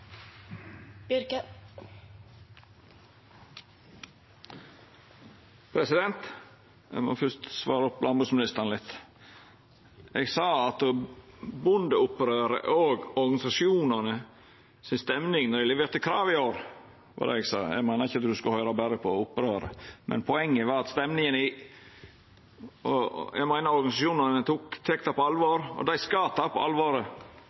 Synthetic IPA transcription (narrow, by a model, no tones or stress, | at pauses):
bɾkə | pʰɾɛsɪd̪ɛnt̪ | mo̰ːfʏst̪sʋɑːɾəʊpːlɑnbʉːsmɪnɪst̪əɾnlɪt̪ː | eːɡsɑːɑt̪̚d̪obʊnd̪əʊpɾøːɾə̰ʔoːɡɔɾɡɑnɪsɑʃjuːnənə | sɪnst̪ɛmnɪŋnɔɾɪlɛʋeːɾt̪əkʰɾɑːʋɪoːɾ | ʋɑ̰d̪ɛ̰ɛɡsɑ̰ːjæ̰ɪɡmæɪnəɾɪçəɑt̪d̪ʉskɑhœʏɾɑbæɾəpʰɔʊpːɾøːɾə̰mʔɛ̰npʰɔɛŋːəʋɑɾɑt̪st̪ɛmnɪŋənɪ | ɔ̰jʔæ̰ɪmæɪnɑɾɔɾɡɑnɪsɑʃuːnɑnət̪ʰuːkt̪ʰɛkt̪ɑpʰɔɑlʋoːɾɔ̰d̪æɪskɑːt̪ʰɑːpʰɔ̰ʔɑ̰lʋoːɾə